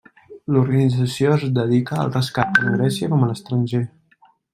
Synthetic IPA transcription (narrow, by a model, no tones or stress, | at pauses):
luɾɣənid͡zəsioəzd̪əðikəə̰lˠrəskat̪̚d̪əŋɡɾɛsiəkɔmələst̪ɾənʲʒe